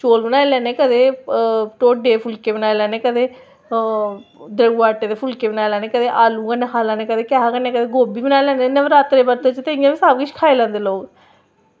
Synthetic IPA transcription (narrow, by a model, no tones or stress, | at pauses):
t͡ʃoːlbənaːeːlɛːneːkəd̪eːʈoːɖeːpʰʊlkeːbənaːelɛːneːkəd̪eː | d̪ɾəɡuːaːʈːeːd̪eːpʰʊlkeːbənaːelɛːneːkəd̪eːʔaːlũːɡəneɦaːlãːneːkəd̪eːkɛːɦaːɡəneːkəd̪eːɡoːbiːbənaːelɛ̃ːnd̪enəʋəɾaːt̪ɾeːbəɾt̪et͡ʃt̪ẽːijãːʋiːsaːbkɪʃkʰaːeːlɛ̃ːnd̪eːloːɡ